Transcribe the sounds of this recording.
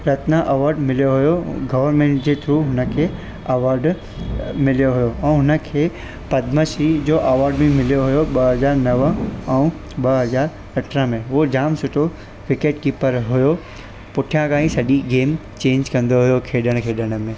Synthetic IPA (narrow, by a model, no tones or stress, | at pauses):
ɾɐt̪nãʔɐʋaːɾɖmɪlijoɦʊjoɡɐʋəɾmẽːɳʈd͡ʑeːt̪ʰɾuːɦʊnə̆kʰeː | ɐʋaːɾɖ | mɪlijoɦʊjoɛ̃ːɦʊnə̆kʰeː | pɐd̪məʃid͡ʑoːʔɐʋaːɾɖmẽmɪlijoɦʊjoɓɐɦɐzaːɾnɐʋəɛ̃u | ɓɐɦɐzaːɾ | ɐʈʰɾəmẽɦʊod͡ʑaːmsʊʈʰo | ʋɪkeʈkiːpəɾɦʊjo | pʊʈʰijãkãːĩsɐʄiɡeːm | t͡ɕẽːɲd͡ʑkɐ̃nd̪oɦʊjokʰeːɗəɽ̃kʰeːɗəɽ̃̆mẽ